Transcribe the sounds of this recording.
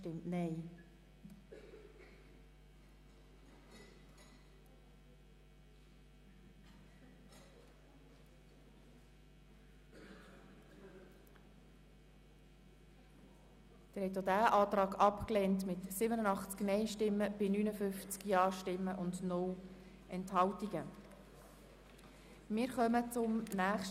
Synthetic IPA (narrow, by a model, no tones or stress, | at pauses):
tɪmtnɛɪ | d̥̪ɪːɾhɛtːjodæːʔɑːtɾɑːɡɑpklɛːntmɪtsɪbənənɑχt͡sknɛɪʃtɪmːəb̥ɪnyːnəfʏft͡skjɑːʃtɪmːəʔʊndnʊl | ʔɛnthɑltiɡə | mɪːɾχœmət͡sʊmnæːχʃ